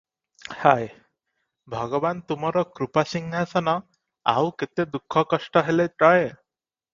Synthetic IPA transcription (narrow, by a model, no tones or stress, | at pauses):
haj | bʱʌɡɔbant̪umɔɾɔkɾupasiŋɡʱasɔnɔ | a̰wket̪ed̪ukʰːɔkɔsʈɔɦeleʈɔje